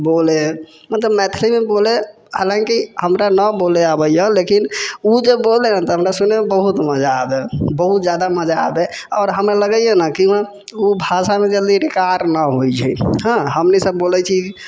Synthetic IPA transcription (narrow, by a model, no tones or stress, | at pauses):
bole | mət̪ləbmɛt̪ʰlimebole | halãŋkihəmɾanəboleabəjjəlekinud͡ʒebolenət̪ɔɦəmɾasunemebəɦut̪məd͡ʒaːbebəɦut̪d͡ʒjad̪aməd͡ʒaːbe | ɔːɾɦəmɾeləɡəjenəkiã | ubʱasamed͡ʒəld̪iɾekaɾnəɦojt͡ʃʰɛjɦə̃ɦəmnisəbːolɛt͡ʃʰiki